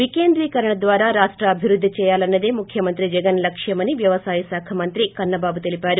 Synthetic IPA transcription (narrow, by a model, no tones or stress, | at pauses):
ʋikeːnd̪ɾiːkɐɾɐɳɐd̪ʋaːɾaːɾaːʂʈɾɐːbʱiʋɾud̪ʱːit͡ʃɛːjaːlɐnːɐd̪eːmukʰjɐmɐnt̪ɾid͡ʒɛɡɐnlɐkʂjɐmɐniʋjɐʋɐsaːjɐsaːkʰɐmɐnt̪ɾikɐnːɐbaːbut̪e̞lipaːɾu